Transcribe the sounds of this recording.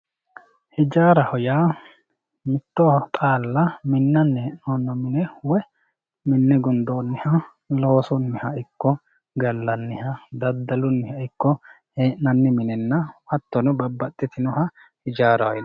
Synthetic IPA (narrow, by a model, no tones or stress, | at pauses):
hɪd͡ʒaːɾɐhɔjaː | mɪt̪ːɔt̪ʼaːlːɐmɪnːɐnːɛnoːnːɔmɪnɛwɛ | mɪnːɛɡʊnd̪oːnːɪhɐ | loːsɔnːɪhɐɪkːɔ | ɡɐlːɐnːɪhɐd̪ɐd̪ːɐlʊnːɪhɐɪkːɔ | heʔnɐnːɪmɪnɛnːɐwɐt̪ːɔnɔbɐbːɐt̪ʼːɪt̪ɪnɔhɐ | hɪd͡ʒaːɾɐwɔj